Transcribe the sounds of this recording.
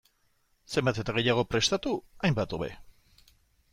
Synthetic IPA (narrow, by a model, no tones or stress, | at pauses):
se̞mbat̪e̞t̪aɣ̞e̞jaɣ̞o̞pɾe̞st̪at̪uajmbat̪o̞βe̞̰